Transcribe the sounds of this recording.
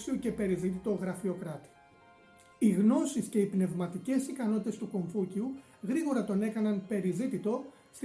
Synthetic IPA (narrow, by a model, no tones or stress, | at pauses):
sioce̞pe̞ɾizit̪it̪o̞ɣɾɐfio̞kɾɐt̪i̥ | iɣno̞sisce̞ipne̞vmɐt̪ice̞sikɐno̞t̪it̪e̞st̪uko̞ɱfuciu | ɣɾiɣo̞ɾɐt̪o̞ne̞kɐnɐnpe̞ɾizit̪it̪o̞ | st̪